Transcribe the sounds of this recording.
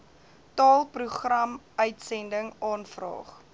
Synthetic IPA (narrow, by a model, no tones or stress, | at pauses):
tɑːlˠpruχrɐm | œɥtsɛndəŋɑːnfrɑ̰ːχ